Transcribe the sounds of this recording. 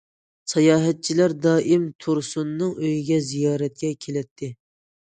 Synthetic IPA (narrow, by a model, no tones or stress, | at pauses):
sɑjɑːɦɛt̪̚t͡ʃʰilæɾd̪ɑːʔɪmt̪ʰuɾsunːɨŋøjiɡʲɛzijɑːɾɛt̪̚kʲɛkʲʰelɛt̪ʰːɪ